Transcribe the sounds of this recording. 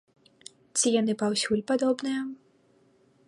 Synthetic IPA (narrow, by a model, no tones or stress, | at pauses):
t͡sʲijan̪ɨpawsʲulʲpad̪ɔbnɨjɐ